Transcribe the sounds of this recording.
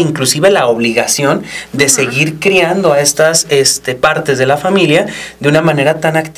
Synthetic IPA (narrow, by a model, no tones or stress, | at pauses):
iŋklusiβe̞lao̞βliɣasjo̞nd̪e̞se̞ɣiɾkɾiand̪o̞ae̞st̪ase̞st̪e̞paɾt̪e̞zðe̞lafamiljad̪eunamãne̞ɾat̪anakt̪